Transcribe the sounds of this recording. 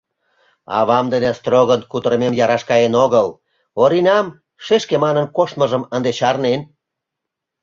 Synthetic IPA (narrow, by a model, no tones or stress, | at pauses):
ɑ̰βɑmd̪ənest̪roɣənkut̪əɾmemjɑɾɑʃkɑenoɣəl | oɾinʲɑm | ʃeʃkemɑnənkoʃt̪məʒəmənd̪et͡ɕɑrnen